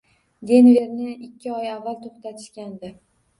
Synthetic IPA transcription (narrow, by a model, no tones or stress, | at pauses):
d̪e̞nve̞ɾnɪɪkʲʰːɪɒjavːalt̪ʰoχt̪at̪ʰɪʃkʲand̪ɪ